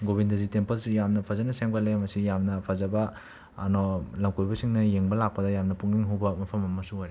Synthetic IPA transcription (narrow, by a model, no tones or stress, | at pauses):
ɡobindɐzitempɐlsujamnɐpʰɐzɐnɐseŋbalemɐsijamnɐpʰɐzɐbɐː | nolɐmkojbɐsiŋnɐjeŋbɐlak̚pɐdɐjamnɐpuŋniŋɦuwbɐmɐpʰɐmɐmɐsuɦojɾe